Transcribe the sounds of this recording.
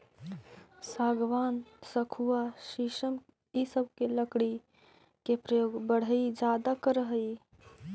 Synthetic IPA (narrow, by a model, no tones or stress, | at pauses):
saːɡʋansəkʰuaʃiʃəm | isəbʱkeləkɽi | kepɾəjoːɡbəɽ̤əid͡ʒad̪akəɾəɦəi